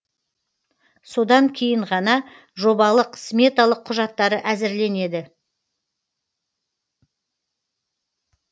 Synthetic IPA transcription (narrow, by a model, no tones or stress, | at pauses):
so̞d̪ɑŋkʲʰe̞jɪɴʁɑnɑ | ʒo̞bɑlˠəqʰːsme̞t̪alˠəqʰːʊʒɑt̪ːɑɾəʔæzɪɾle̞ne̞d̪ɪ